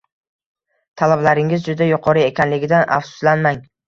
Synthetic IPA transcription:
t̪ʰalablaɾɪŋɪzd͡ʒʊd̪ajʊqʰɒɾɪe̞kʲʰanlɪɡʲɪd̪ana̰fsʊ̥slanmaŋ

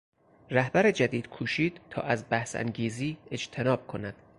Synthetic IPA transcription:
ɾæhbæɾed͡ʒæd̪iːd̪̥kʰuːʃiːd̪̥t̪ʰɒ̰ːʔæzbæhsæ̰ŋɡiːziːe̞d͡ʒt̪ʰe̞nɒːb̥̚kʰonæd̪̥

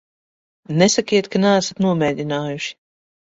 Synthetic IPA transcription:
nesakiɛt̪kanɛːsat̪nuɔmɛːd̪ʲinaːjuʃi̥

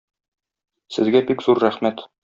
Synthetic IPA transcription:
sɘ̆zɡæbikzuɾːæχmæt̪

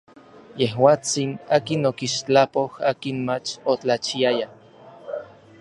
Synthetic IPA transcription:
jehwaːt͡sinaːkinokiʃt͡ɬapohaːkinmat͡ʃot͡ɬat͡ʃiaja

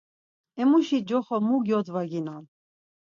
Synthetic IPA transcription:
ɛmuʃid͡ʒɔχɔmuɡjɔd̪vaɡinan

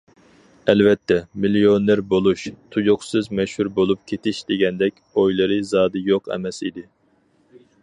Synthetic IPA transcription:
ɛlvɛt̪ʰːɛmilionɪɾbolˠuʃt̪ʰujoqsɨzmɛʃhuɾbolˠup̚kʲʰet̪ʰɪʃd̪eɡʲɛnd̪ɛkʲojlˠɨɾɨzɑːd̪ɨjoqɛ̰mɛsid̪ɪ

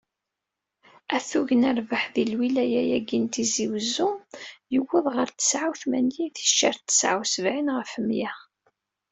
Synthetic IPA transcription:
æθuʝənæɾvaħðilwilæjæjæɡint̪iziwəzːujəwːəðʁəɾt̪ːə̥sʕawθmænjiθi̥ʃːaɾt̪ːə̥sʕawsəvʕinʁəfəmjæ

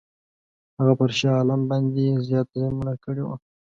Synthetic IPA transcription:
haɣapəɾʃɑːlambɑnd̪ezjɑt̪zemunakəɽewa̰

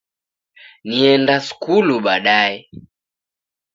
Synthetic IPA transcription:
niɛndasu̥kuluɓaɗaɛ

